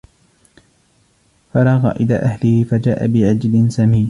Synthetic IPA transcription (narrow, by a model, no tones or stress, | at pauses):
fɑɾˤɑɣɑ̰ːʔɪla̰ːʔahlɪhɪfad͡ʒaːʔa̰bɪʕad͡ʒlɪnsamiːn